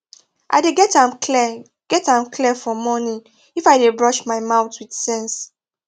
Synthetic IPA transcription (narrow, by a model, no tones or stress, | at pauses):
ʔa̰ɪdeɡɛtãmi | ɡ̥ɛtãmklifɔmɔnĩ | ifaɪdebɹɔʃmaɪmaʊtʰwid̥sɛ̃ns